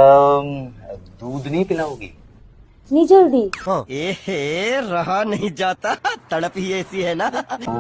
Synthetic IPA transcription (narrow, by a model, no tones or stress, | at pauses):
d̪uːd̪nɐɦĩpɪlaːõːɡḭː | nĩd͡ʒoːɾɖiːɦãːeː | ɾɐɦanɐɦĩd͡ʒaːt̪at̪ɐɽəpɦiɛːsiɦɛːna